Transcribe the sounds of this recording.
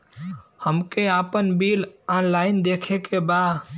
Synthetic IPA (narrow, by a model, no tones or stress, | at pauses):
həmkeapənbilanlaɪnd̪ekʰekebad̪